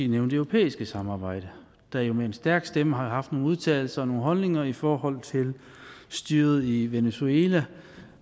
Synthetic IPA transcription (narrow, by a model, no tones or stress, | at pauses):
e̝̰ːneʊnd̥øʊʁo̝pʰḛːisɡ̥əsɑ̈mɑ̈ːb̥ɑ̈ɪ̰d̥ə | d̥æjo̝meensd̥æɐɡ̥sd̥eməɦɑ̈hɑ̈fd̥no̝ːn̩uð̞ˠt͡sʰɛ̰ːɪl̩sɐːno̝ːn̩ɦɒ̽lne̝ŋɐifɒːhɒ̽l̰t͡sʰe̝l | sd̥yːɐð̞̩ˠiʋenesueːlæ